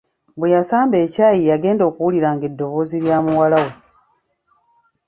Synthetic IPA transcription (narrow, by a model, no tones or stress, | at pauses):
bwejasaːmbe̞ːcaːjijaɡe̞ːndo̞ːkuwuliɾaːŋɡe̞dːo̞βo̞ːziɾjaːmuwalawe